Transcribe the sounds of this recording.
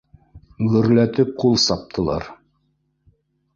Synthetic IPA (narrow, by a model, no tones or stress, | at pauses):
ʁɵ̆ɾlæt̪ɘp̚qulˠsɑp̚t̪ʰɤ̆lˠɑ̰ɾ